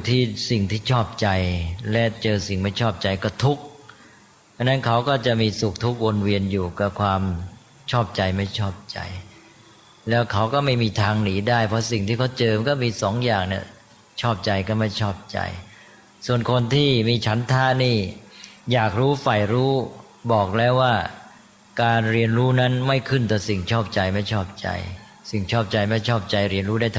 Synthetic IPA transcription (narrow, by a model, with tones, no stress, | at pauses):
t̪ʰiː˥˩si˨˩ŋt̪ʰiː˥˩t͡ɕʰɔː˥˩p̚t͡ɕa˧jlɛ˦˥t͡ɕɤː˧si˨˩ŋma˥˩jt͡ɕʰɔː˥˩p̚t͡ɕa˧jkɔː˥˩t̪ʰu˦˥k̚ | ʔa˧nːa˦˥nkʰa˦˥wkɔː˥˩t͡ɕa˨˩miː˧su˨˩k̚t̪ʰu˦˥k̚wo˧nwi˧ənjuː˨˩ka˨˩kʰwaː˧m | t͡ɕʰɔː˥˩p̚t͡ɕa˧jma˥˩jt͡ɕʰɔː˥˩p̚t͡ɕa̰˧j | lɛː˦˥wkʰa˦˥wkɔː˥˩ma˥˩jmiː˧t̪ʰaː˧ŋniː˩˦daː˥˩jpʰɔ˦˥si˨˩ŋt̪ʰiː˥˩kʰwt͡ɕɤː˧kɔː˥˩miː˧sɔː˩˦ŋjaː˨˩ŋni˥˩ɐ | t͡ɕʰɔː˥˩p̚t͡ɕa˧jkɔː˥˩ma˥˩jt͡ɕʰɔː˥˩p̚t͡ɕa̰˧j | su˨˩ənkʰo˧nt̪ʰiː˥˩miː˧t͡ɕʰa˦˥nt̪ʰaː˦˥niː˥˩jaː˨˩k̚ɾuː˦˥fa˨˩jɾuː˦˥ | bɔː˨˩k̚lɛː˦˥waː˥˩ | kaː˧nɾi˧ənɾuː˦˥na˦˥nma˥˩jkʰɯ˥˩nt̪ɔː˨˩si˨˩ŋt͡ɕʰɔː˥˩p̚t͡ɕa˧jma˥˩jt͡ɕʰɔː˥˩p̚t͡ɕa̰˧j | si˨˩ŋt͡ɕʰɔː˥˩p̚t͡ɕa˧jma˥˩jt͡ɕʰɔː˥˩p̚t͡ɕa˧jɾi˧ənɾuː˦˥da˥˩jt̪ʰ